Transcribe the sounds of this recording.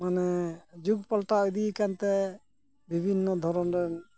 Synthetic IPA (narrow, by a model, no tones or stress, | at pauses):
manɛd͡ʒuɡ̚pɔlʈaəd̪ikant̪ɛ | bʱibʱinːɔd̪ʱɔɾɔnɾɛn